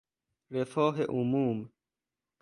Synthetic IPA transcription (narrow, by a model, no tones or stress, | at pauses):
ɾefoːɦeʔumuːm